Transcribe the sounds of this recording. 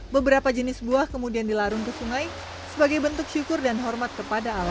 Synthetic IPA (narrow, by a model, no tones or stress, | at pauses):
bəbəɾapad͡ʒənɪsbuahkəmudiandilaɾʊŋkəsuŋaj | səbaɡajbənt̪ʊkʃukʊrdanɦɔrmat̪̚kəpadaːla